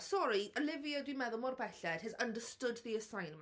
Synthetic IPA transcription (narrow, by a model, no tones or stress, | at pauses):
sɔɾiʔəlɪvjədwimɛðʊlˠmɔrbɛɬɛd̥hɪðəndəstʊdðiəsajnm